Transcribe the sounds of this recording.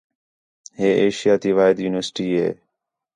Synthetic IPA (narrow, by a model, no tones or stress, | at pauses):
ɦeːʔeːʃɪjaːt̪iːʋaːɪd̪juːnɪʋəɾsʈiːɦḛː